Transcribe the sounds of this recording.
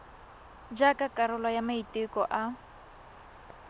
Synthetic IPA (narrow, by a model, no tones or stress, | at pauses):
d͡ʒakakʼaɾʊlajamaitʼɪkɔʔa